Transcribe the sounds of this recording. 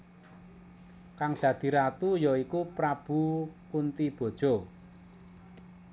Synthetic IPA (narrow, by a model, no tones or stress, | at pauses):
kaŋd̪̥ä̤d̪̥i̤ɾat̪ujɔikupɾab̥ṳkunt̪ib̥ɔ̤d̥ʒ̥ɔ̤